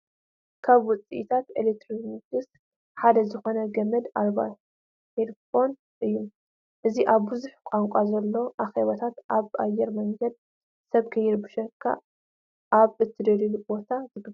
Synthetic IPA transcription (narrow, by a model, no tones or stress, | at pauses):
kʰaβwɔt͡sʼiʔit̪ʰat̪elekt̪ɾinɡɨs | ħad̪ɐzɨxo̞nɐɡɐmɐd̪alβa̰ | helfo̞n | ʔɨjːu | ʔɨziʔaβːɨzuħkʷʼaŋkʷʼazɐlːo̞ʔaxeβɐt̪ʰat̪ʔaβʔajːɛɾmɐŋɡɐd̪̚ | sɐβkʰɐjɛɾbɨʃɐkʰːa̰ | ʔaβɨt̪ʰːɨd̪ɐɾilbo̞t̪ʰazɨɡɨb